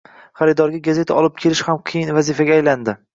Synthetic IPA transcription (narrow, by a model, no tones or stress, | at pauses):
χaɾɪd̪ɒɾɡʲaɡazet̪ʰaʔɒlˠɪp̚kʲʰe̞lɪʃhamqʰɨjɪnvazɪfaɡʲaːjland̪ɪ